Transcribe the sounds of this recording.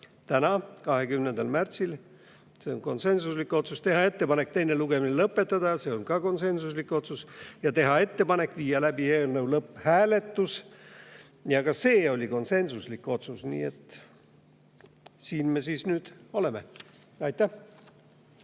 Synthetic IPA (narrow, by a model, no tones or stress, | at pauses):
t̪ænɑkɑɦe̞kymnend̪ɑlmært̪sil | se̞onko̞nse̞nsuslikːˑo̞t̪sust̪e̞ɦɑe̞t̪ːe̞pɑne̞k̚t̪e̞jne̞luɡ̥e̞minelɤpːˑe̞t̪ːˑɑd̪̥ɑse̞ːo̞nkɑko̞nse̞nsuslikːˑo̞t̪susjɑt̪e̞ɦɑe̞t̪ːe̞pɑne̞kːˑviːjɑlæbieːlnɤwlɤpːhæːle̞t̪ːus | jɑɡɑse̞ːo̞lʲiko̞nse̞nsuslikːˑo̞t̪susnḭːe̞t̪ː | siːnmesiːsnyːd̪̥o̞le̞me | ɑjt̪ːæh